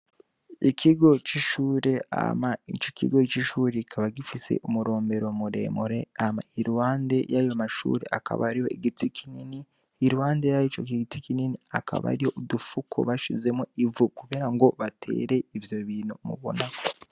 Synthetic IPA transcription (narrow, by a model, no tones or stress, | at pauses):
ikʰiɡo̞t͡ʃiʃuːɾe̞a̰maḭt͡ʃo̥kḭɡo̞t͡ʃiʃuːɾekʰaβaɡifise̞̰ʔumuɾo̞ːmbe̞ɾo̞muɾe̞̰muɾe̞ama̰iɾuwaːnde̞jajomaʃṵːɾḛʔaka̰βa̰ɾiho̞̰iɡitikʰininiː | ɾuhaːndejait͡ʃokiɡitikininiakʰa̰βa̰ɾiho̞udufukʰo̰βaʃize̞moivukuβeɾaŋɡo̞βatʰe̞̰ːɾe̞ivjo̞βiːnumṵβo̰nakʰo̥